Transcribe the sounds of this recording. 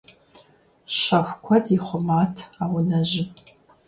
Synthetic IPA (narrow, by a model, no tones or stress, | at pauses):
ʃaxʷkʷʰadʼiχʷʊmatʰawnaʒɪ